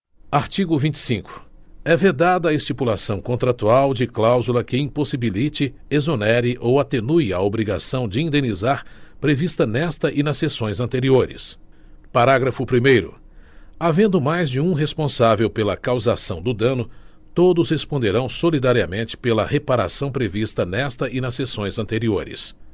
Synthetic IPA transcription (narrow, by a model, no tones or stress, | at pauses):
aɾt͡ʃiɡʊvĩnt͡ʃɪ̥sĩkʊ̥ | ɛved̪ad̪ɐːest͡ʃipulasɐ̃w̃kõnt̪ɾat̪uawd͡ʒɪklawzulɐkɪĩposibilit͡ʃɪ | ezonɛɾɪʔowat̪enujɐ̰obɾiɡasɐ̃w̃d͡ʒɪĩnd̪ẽnizaɾpɾevist̪ɐnɛst̪ɐʔɪnɐssesõj̃zɐ̃nt̪eɾioɾɪ̰s | paɾaɡɾɐfʊpɾimejɾʊ̰ | avẽnd̪ʊmajzd͡ʒɪũɦespõsavewpelɐkawzasɐ̃w̃d̪ʊd̪ɐ̃nʊ | t̪od̪ʊshespõnd̪eɾɐ̃w̃solid̪aɾiɐmẽnt͡ʃɪ̥pelɐhepaɾa̰sɐ̃w̃pɾevist̪ɐnɛst̪ɐʔɪnɐsːesõj̃zɐ̃nt̪eɾioɾɪ̰s